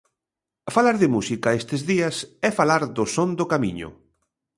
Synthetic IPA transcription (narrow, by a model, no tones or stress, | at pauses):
falaɾðɪmusikaest̪ezðiɐsɛfalaɾðʊsond̪ʊkamḭ̃ɲʊ̰